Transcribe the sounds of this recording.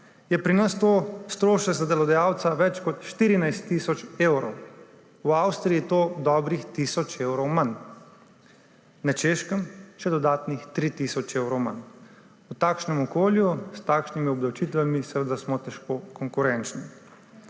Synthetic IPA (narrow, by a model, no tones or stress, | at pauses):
jɛpɾinast̪oːst̪ɾoːʃɛkzad̪ɛlɔd̪ajawt̪saʋɛt͡ʃkɔt̪ʃt̪iːɾinajst̪ːisɔt͡ʃewɾɔw | wawst̪ɾiit̪oːd̪ɔbɾixt̪isɔt͡ʃewɾɔwman | nat͡ʃeʃkəmʃɛd̪ɔd̪aːt̪nixt̪ɾiːt̪isɔt͡ʃewɾɔwma̰n | ut̪aːkʃnɛmɔkoːljust̪aːkʃnimiɔbd̪awt͡ʃit̪ʋamisɛʋəd̪asmɔt̪ɛʃkokɔŋkuɾɛnt͡ʃni